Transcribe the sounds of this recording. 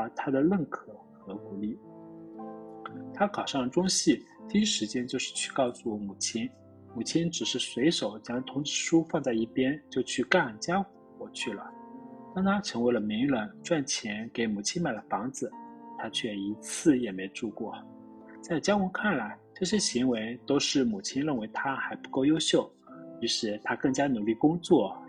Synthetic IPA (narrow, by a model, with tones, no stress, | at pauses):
t̪ʰa˥d̪ə˨lə˥˩nkʰɤ˨˩˦xɤ˧˥ku˧˥li˥˩ | t̪ʰa˥kʰɑ˨˩ʊʂɑ˥˩ŋə˩ʈ͡ʂʊ˥ŋɕi˥˩t̪ʰi˧˥ʂɻ̩˧˥t͡ɕjɛ˥nt͡ɕjo˥˧ʊʂɻ̩˥˧t͡ɕʰy̥˥˧kɑ˥˧ʊsu˧˩˧mu˨˩t͡ɕʰi˥n | mu˨˩t͡ɕʰi˥nʈ͡ʂɻ̩˨˩ʂɻ̩˥˩swe˧˥ɪʂo˨˩ʊt͡ɕjɑ˥ŋt̪ʰʊ˧˥ŋʈ͡ʂɻ̩˥˩ʂu˥fɑ˥˧ŋt͡sa˥˧ɪi˥˩pjɛ˥nt͡ɕjo˥˧ʊt͡ɕʰy˥˧ka˥˩nt͡ɕja˥xu˧˥kwɔ˥˧t͡ɕʰy˥˩lə̰˩t̪ɑ˥ŋt̪ʰa˥ʈ͡ʂʰɤ˧˥ŋwe˧˥ɪlə˧mi˧˥ŋɻə˧˥nʈ͡ʂwa˥˩nt͡ɕʰjɛ˧˥nke˧˩ɪmu˨˩t͡ɕʰi˥nma˨˩ɪlə˧˦fɑ˧˥ŋd͡zɹ̩˨t̪ʰa˥t͡ɕʰɥɛ˥˩i˧˥t͡sʰɹ̩˥˩jɛ˨˩me˧˥ɪʈ͡ʂu˥˧kwɔ˥˩ | t͡sa˥˩ɪt͡ɕja˥xwu˧˥kʰa˥˩nla˧˥ɪʈ͡ʂɤ˥˩ɕjɛ˥ɕi˧˥ŋwe˧˥ɪt̪o˥ʊʂɻ̩˥˩mu˨˩t͡ɕʰi˥nɻə˥˩nwe˧˥ɪt̪ʰa˥xa˧˥ɪpu˧˥ko˥˧ʊjo˥ʊɕjo˥˩ʊ | i˧˥ʂɻ̩˥˩t̪ʰa˥kɤ˥˩ŋt͡ɕja˥nu˨˥li˥˩kʊ˥ŋt͡swɔ˥˩